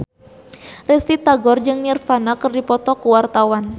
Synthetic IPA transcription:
rɛst̪it̪aɡɔrd͡ʒɨŋnirfanakərdipɔt̪ɔkuwart̪awan

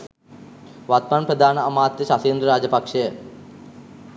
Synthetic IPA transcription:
ʋat̪̚manpɾɐd̪ʱaːnɐɐmaːt̪jɐʃaseːnd̪ɾɐɾaːd͡ʒɐpɐkʂejə

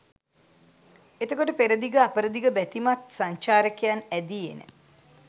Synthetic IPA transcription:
et̪əkoʈəpeɾəd̪iɡəapəɾəd̪iɡəbæt̪imat̪saɲt͡ʃaːɾəkejanæd̪iḛnə̰

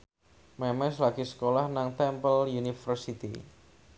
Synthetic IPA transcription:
mɛmɛslaɡisə̥kolahnaŋt̪ɛmpəljunifərsit̪ḭ

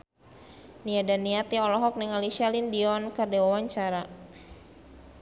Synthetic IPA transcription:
niadanːiat̪iɔlɔɦɔk̚nɛŋalisialindiɔnkərdewawaɲt͡ʃaɾa

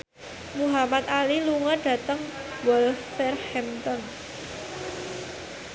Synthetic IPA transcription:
muɦamat̪̚aliluŋɔɖ̥ä̤t̪əŋwɔlfɛrhɛmt̪ɔn

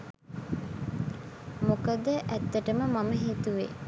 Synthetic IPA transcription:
mokəd̪əʔæt̪ːəʈəməmaməɦit̪uʋe

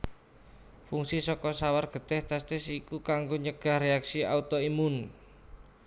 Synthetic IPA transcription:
fuŋsisɔkɔsawarɡ̥ə̤d̪̥ɛht̪ast̪ɪsikukaŋɡoɲəɡ̥a̤hreaksia̰ut̪ɔimʊn

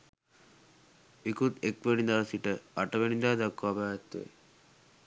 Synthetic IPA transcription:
ikut̪ekʋenid̪aɾsiʈəaʈəʋenid̪aːd̪akːabaːt̪ːḛ

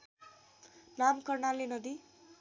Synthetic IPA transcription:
namkʌrnalenʌd̪i

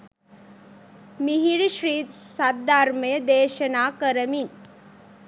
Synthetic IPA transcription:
miɦiɽiʃɾiːt̪saːaːɾməjəd̪eːʃɐnaːkəɾəmiŋ

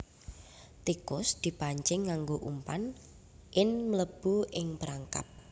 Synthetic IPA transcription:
t̪ikʊsd̪̥i̤paɲt͡ʃɪŋːaŋɡoʔumpan | ʔɪnmələb̥uʔɪŋpəɾaŋka̰p̚

